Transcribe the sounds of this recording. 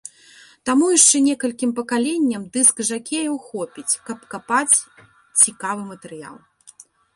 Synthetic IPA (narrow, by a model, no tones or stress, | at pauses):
t̪amujiʂt͡ʂɛnʲɛkɐlʲkʲimpɐkalʲenʲːɐmd̪ɨskʐakʲejɐwxɔpʲit͡sʲkɐpkapat͡sʲ | t͡sʲikavɨmɐt̪ɛɾɨja̰lˠ